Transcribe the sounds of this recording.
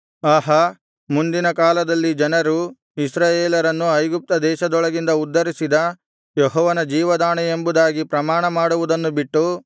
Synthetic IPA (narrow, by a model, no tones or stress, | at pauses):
aːɦɐ | mund̪inɐkaːlɐd̪ɐlːid͡ʒɐnɐɾu | isɾaːjeːlɐɾɐnːuɐjɡup̚t̪ɐd̪ɛːʃɐd̪ɔɭɐɡind̪ɐud̪ːɐɾisid̪ɐ | jeɦɔːʋɐnɐd͡ʒiːʋɐd̪aːɳɛembud̪aːɡipɾɐmaːɳɐmaːɽuʋud̪ɐnːubiʈːu